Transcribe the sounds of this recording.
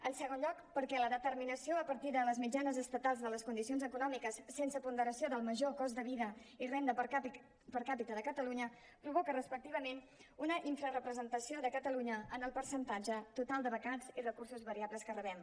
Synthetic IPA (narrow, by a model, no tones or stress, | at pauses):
ənsəɣ̞onʎɔkpəɾkɛləðət̪əɾminəsioəpəɾt̪iðələzmid͡ʒanəzəst̪ət̪alˠzðələskund̪isionzəkunɔmikəsːensəpund̪əɾəsioðəlˠməʒokɔzd̪əβiðəirend̪ə | pəɾkapit̪əðəkət̪əluɲə | pɾuβ̞okərəspək̚t̪iβ̞əmen | unəʔiɱfɾərəpɾəzənt̪əsioðəkət̪əluɲəənəlˠpəɾsənt̪ad͡ʒət̪ut̪alˠd̪əβəkazirəkuɾsuzβəɾiaβləskərəβɛm